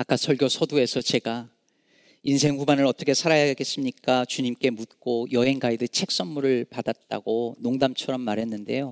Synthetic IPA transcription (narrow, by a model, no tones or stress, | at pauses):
ak͈asʰʌɭɡjosʰʌdue̞sʰʌt͡ɕe̞ɡa | insʰe̞ŋɸubanɯɾʌt͈ʌkʰe̞sʰaɾajaɡaɡe̞s͈ɯmɲik͈at͡ɕuɲimk͈e̞mut̚k͈ojʌɦe̞ŋɡaidɯt͡ɕʰe̞k̚s͈ʌnmuɾɯɭpadat̚t͈a̰ɡonoŋdamt͡ɕʰʌɾʌmːaɾɦe̞nːɯnde̞̰jo